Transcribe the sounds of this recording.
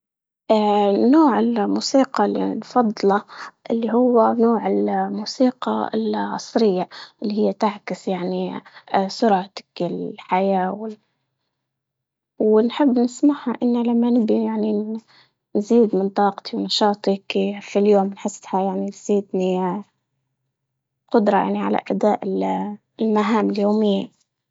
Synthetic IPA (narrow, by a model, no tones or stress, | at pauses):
ʔanoːʕɪlmuːsiːqɑlːḭnfɑd̪ˤlɑʔɪlːiɦʊwːanoːʕɪlmuːsiːqɑɪ̰lʕɑ̰sˤɾɪjːaʔɪlːihɪjːat̪aʕkɪsjaʕni | sʊɾʕt̪ɪ̥kɪlħajaːwɪl | wnħɪbːnɪsmaʕhaʔɪnːalamːanɪbijaʕni | nziːd̪mɪnt̪ˤɑːqt̪ʰiwnɑʃɑːt̪ˤikfiljoːmnħɪshajaʕnit̪z̥iːd̪ni | qʊd̪ɾˤɑja̰ʕniʕa̰la̰ʔad̪aːʔɪl | lmaɦaːmɪljoːmɪjːa